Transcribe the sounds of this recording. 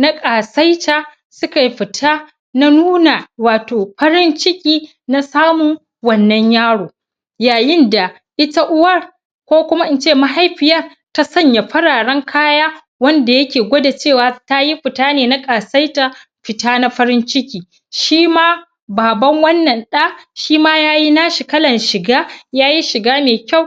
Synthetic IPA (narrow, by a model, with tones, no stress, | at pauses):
na˦kʼaː˨sa˦jta˨ | sʊ˦ka˨jɸɪ˨tʰaː˦ | na˦nuː˦na˨waː˨toː˨ɸɐ˦ɾɪ˦nt͡ʃɪ˦kʲʼiː˦ | na˦saː˦mʊ˨ŋ | wɐ˦nːɐ˦ɲjaː˦ɽoː˨ | jaː˨jɪ˦nda˨ | ʔɪ˦ta˦ʔʊ˦wɐ˦˨r | kʷoː˦kʷʊ˦ma˦ʔɪ˦nt͡ʃeː˦˨ma˦ɦa˦jɸɪ˨jɐ˦r | ta˦sɐ˦˨ɲja˨ɸɐ˦ɽaː˨ɽɐ˦ŋkʰaː˦jaː˦ | wɐ˦nda˨jɐ˦kʲeː˨ɡʷoː˦da˨t͡ʃeː˦˨waː˨˦ta˦ji˦ɸɪ˨taː˦neː˨na˦kʼaː˨sa˦jta˦ | ɸɪ˨taː˦na˦ɸɐ˦ɾɪ˦nt͡ʃɪ˦kʲiː˨ | ʃiː˦maː˦ | baː˨bɐ˦ŋwɐ˦nːɐ˨nɗa˦ʃiː˦maː˦jaː˦ji˦na˦ʃi˨kɐ˦lɐ˨nʃɪ˨ɡaː˦jaː˦ji˦ʃɪ˨ɡaː˦meː˨kʲa˦˨w